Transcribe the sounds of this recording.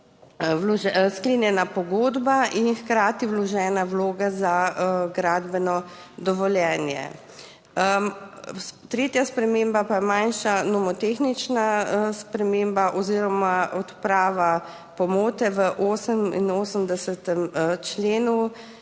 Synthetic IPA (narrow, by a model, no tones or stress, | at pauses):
wlɔʒɛskleːnjɛnapɔɡoːd̪baʔinxkɾaːt̪iwlɔʒɛːnawloːɡazaɡɾaːd̪bɛnɔ | d̪ɔʋɔljɛːnjɛ̰ | t̪ɾeːt̪jaspɾɛmeːmbapajɛmanʃanɔmɔt̪eːxnit͡ʃnaspɾɛmeːmbaʔɔziːɾɔmaʔɔt̪pɾaːʋa | pɔmoːt̪ɛʋəʔoːsəmḭnoːsəmd̪ɛsɛt̪ɛmt͡ʃleːnu